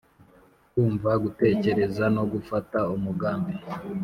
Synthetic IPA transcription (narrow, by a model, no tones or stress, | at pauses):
kuːɱvaɡute̞ːce̞ɾe̞zano̞ɡufataumuɡaːmbe